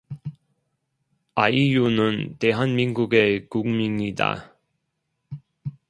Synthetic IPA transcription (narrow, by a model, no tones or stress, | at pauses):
aijunɯnte̞ɦanminɡuɡekuŋmiɲida̰